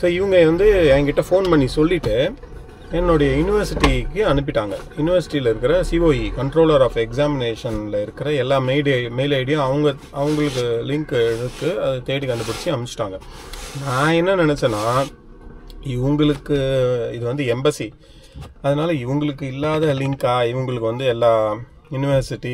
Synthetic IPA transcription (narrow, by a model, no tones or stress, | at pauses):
soːɪʋɐŋɡɐʋɐnd̪ɯɛːŋɡɐɪʈːɐfoːnpɐɳːisɔlːɪʈːɯ | ɛnːɔɽɐjɐjuːnɪʋɐɾsɪʈːikɯɐnɯp̬ːɪʈːaːŋɡɐjʊnɪʋɐɾsɪʈːilɐɪɾɯkːɪɾɐsiːʋoːjikɐɳʈɾoːlɐɾaːfɛksaːmɪneːʂɐnlɐɪɾɯkːɪɾɐɛlːaːmeɪɽmeɪlɐːɽɐjʊ̃ɐʋɐŋɡɐ | ɐʋɐŋɡɐɭɯk̬ːɯlɪŋkɯkːɯɐðɯt̪eːɽikːɐnd̪ɐpɐɽɪt͡ʃːiɐmɪt͡ʃːɪ̥ʈːaːŋɡɐnãːɛnːɐnɪnɛt͡ʃːɐnːaː | ɪʋɐŋɡɐɭɯkːɯɪðɯʋɐnd̪ɯɛmbɐsi | ɐðɐnaːlɐɪʋɐŋɡɐɭɯkːɯɪlːaːðɐlɪŋkaːɪʋɐŋɡɐɭɯkːɯʋɐnd̪ɯɛlːaː | juːnɪʋɐɾsɪʈːi